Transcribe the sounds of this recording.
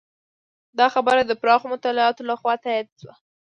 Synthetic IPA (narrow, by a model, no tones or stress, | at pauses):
d̪ɑxabəɾad̪əpɾɑxomʊt̪ɑlɪɑt̪olaxwɑt̪ajɑd̪swa